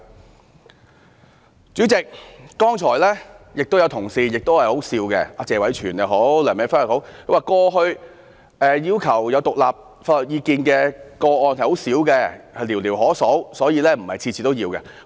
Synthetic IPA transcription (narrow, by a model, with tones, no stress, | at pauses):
t͡syː˨˥t͡sɪ˨k̚ːɔː˥ŋt͡ʃʰɔː˨˩jlɛː˥jɪ˨k̚t̪o˥wjɐ˨˧wt̪ʰʊ˨˩ŋsiː˧jɪ˨k̚t̪o˥whɐ˨jho˨˥wsiː˧wkɛ̰˧aː˧t͡sɛː˨˧wɐ˨˥jt͡ʃʰyː˨˩nja˨ɦo˨˥wlœː˨˩me˨˥faː˥lːɔ˨˩ho˨˥wkʰɵ˧waː˨˧kɔː˧ɦɵ˧ɥ | ɛː˨jiː˥wkʰɐ˨˩wjɐ˨˧wt̪ʊ˨k̚laː˨p̚ | faː˧˩lɔ˨˩k̚jiː˨˧kiː˧nkɛː˧kɔː˧ʔɔː˧nhɐ˨˩jho˨˥wsiː˨˥wkɛː˧hɐ˨jliː˨˩wliː˨˩wɦɔː˨˥so˨˥wsɔː˨˥jiː˨˧lɛː˥m̩˨˩hɐ̰˨jt͡sʰiː˧t͡sʰiː˨˩t̪o˥wjiː˧wkɛ̰˧